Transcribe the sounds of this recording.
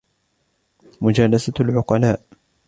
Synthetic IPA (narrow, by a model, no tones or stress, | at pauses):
mʊd͡ʒaːlasalʕʊqɑlaːʔ